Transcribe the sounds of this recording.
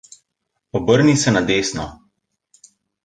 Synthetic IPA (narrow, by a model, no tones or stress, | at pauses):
ɔbəɾnisɛnad̪eːsnɔ